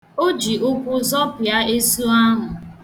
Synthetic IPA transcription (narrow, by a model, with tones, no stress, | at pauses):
o˦d͡ʒi˨ʊ˦kʷʊ˦zɔ˦pa˦e˦su˦a˦ɦʊ˨